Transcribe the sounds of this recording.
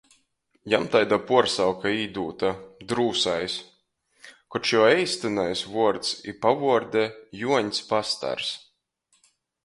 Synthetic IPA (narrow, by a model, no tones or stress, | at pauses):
jamt̪ajd̪apuɔɾsawkaiːd̪uːt̪ad̪ɾuːsajs | kɔt͡ʃɔɛjst̪ɨnajsvuɔɾt̪sipavuɔɾd̪ɛjuɔɲspast̪a̰ɾs